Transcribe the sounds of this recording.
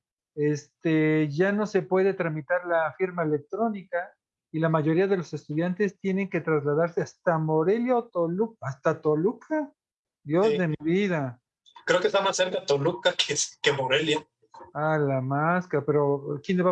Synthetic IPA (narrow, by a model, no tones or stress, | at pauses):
e̞st̪eʝano̞se̞pwe̞ðe̞t̪ɾamit̪aɾlafiɾmaele̞k̚t̪ɾo̞nika | ilamaʝo̞ɾiaðe̞lo̞se̞st̪uðjant̪e̞st̪je̞ne̞ŋke̞t̪ɾazlaðaɾseast̪amo̞ɾe̞ljaot̪olukast̪at̪olukʰa | d̪jo̞zðemiβiða | kɾeokest̪amasːeɾkat̪olukakʰekemoɾelja | alamaskaapeɾo̞kjeneβ